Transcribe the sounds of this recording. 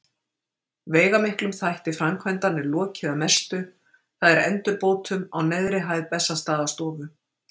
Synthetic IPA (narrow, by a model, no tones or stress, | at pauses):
veːjɣamɪhklʏmθajht̪ɪfɾamkʰvɛjnt̪anːɪlɔːcʰɪðamɛst̪ʏ | θaðɛɾɛ̰nt̪ʏɾpoːwt̪ʏmawnɛðɾɪɦaːjðpɛsːast̪aːðast̪ɔːvʏ